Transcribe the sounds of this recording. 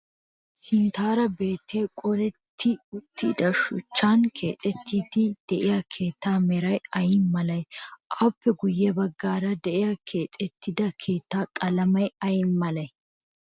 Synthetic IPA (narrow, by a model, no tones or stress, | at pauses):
ʃɪnt̪aːɾɐbe̞ːt̪ʰːeːkʼɔlɛt̪ʰːɪʊt̪ʰːɪd̪ɐʃʊ̰t͡ʃːaːnkʰe̞ːt̪ʼɛt̪ʰːiːd̪ɪd̪̥ɛʔɪjakʰe̞ːt̪ːaːmɛɾɐjɐjɪmmːɐlɐjʔɐːpːɛɡʊjːɛbɐɡːaːɾɐd̪ɛʔɪjakʰeːt̪ʼɛt̪ːɪd̪ɐkʰeːt̪ːaːkʼɐlɐmɐjɐjɪmːɐlɐj